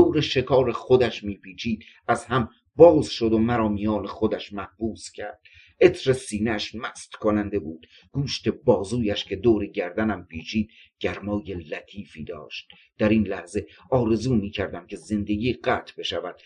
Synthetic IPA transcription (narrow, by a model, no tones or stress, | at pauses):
d̪oːɾeʃe̞kʰɒːɾexod̪æʃmiːpʰiːt͡ʃʰiːd̪̥̚æzhæm | bɒːzʃod̪omæɾɒːmijɒːnexod̪æʃmæhb̥uːscʰæɾd̪̥ | ʔe̞t̪ʰɾesiːneʃmæst̪kʰonænd̪e̞buːd̪̥ | ɡ̥uːʃt̪e̞bɒːzuːjæʃcʰe̞d̪oːɾeɟæɾd̪ænæmpʰiːt͡ʃʰiːd̪̥̚ | ɟ̥æɾmɒːjelæt̪ʰiːfḭːd̪ɒ̰ːʃt̪̚ | d̪̥æɾinlæhze̞ | ɒːɾe̞zuːmiːcʰæɾd̪æmcʰe̞ze̞nd̪e̞ɡiːɢæːt̪ʰbe̞ʃævæd̪̥